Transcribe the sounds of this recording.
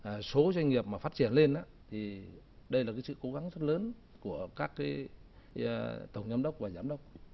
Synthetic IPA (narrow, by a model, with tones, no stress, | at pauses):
so˨˦zwa˧jŋ̟ŋi˨˩əp̚maː˨˩faː˦˥t̚t͡ɕi˧˩ənle˧nʔaː˧˦ | t̪ʰi˨˩ | ɗə˧jlaː˨˩kaː˨˦jsɨ̰˧˨ko˨˦ɣa˨˦ŋzə˦˥t̚ləː˨˦n | ku˧˩əkaː˦˥kːaː˨˦j | t̪ə˧˩wŋ͡mɲa˧mɗə˦˥wk͡p̚vaː˨˩zaː˨˦mɗə˦˥wk͡p̚